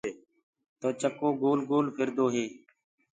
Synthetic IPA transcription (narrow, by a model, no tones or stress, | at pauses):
t̪oːt͡ʃəkoːɡoːlɡoːlpʰɪɾd̪oːɦeː